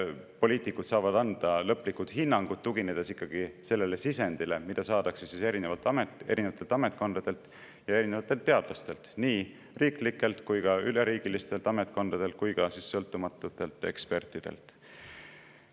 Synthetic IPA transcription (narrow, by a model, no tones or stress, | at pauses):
po̞liːt̪ˑikːˑut̪sɑːvɑd̪̥ɑnd̪̥ɑlɤ̞pːˑlikːud̪̥hinːɑŋɡ̥ud̪̥t̪ːuɡined̪̥esikːɑɡ̥ise̞lːele̞sise̞nd̪̥ile̞mid̪̥ɑsɑːd̪̥ɑksesise̞ɾinevɑlt̪ːɑmete̞ɾʔine̞vɑt̪ːelt̪ɑme̞t̪ˑkond̪̥ɑd̪̥e̞lt̪ | jɑe̞ɾine̞vɑt̪ːˑelt̪ːe̞ɑd̪̥lɑst̪e̞lt̪niː | riːklikːˑe̞lt̪kujɡ̥ɑyleɾiːɡ̥ilist̪e̞lt̪ɑme̞t̪̚ko̞nd̪̥ɑd̪e̞lt̪̚kujɡ̥ɑsisːɤlt̪ːˑumɑt̪ːˑut̪ːˑe̞lt̪ːˑe̞̰kspe̞rt̪ːˑid̪̥e̞̰lt̪ˑ